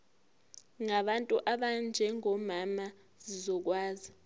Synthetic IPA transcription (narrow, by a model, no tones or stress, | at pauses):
ŋaɓantʼuʔaɓand͡ʒʱɛŋɔmama | zizɔk̬waːzi